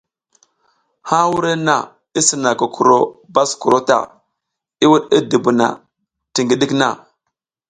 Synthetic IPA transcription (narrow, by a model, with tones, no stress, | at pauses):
ha˦wu˦ɾe˦na̰˨ | i˦si˨na˨ku˨kʰu˨ɾo˦ba˦sku˨ɾo˦ta̰˨ | i˦wu˦ɗi˦di˨bu˨na̰˨ | ti˨ŋɡi˦ɗi˦kna˨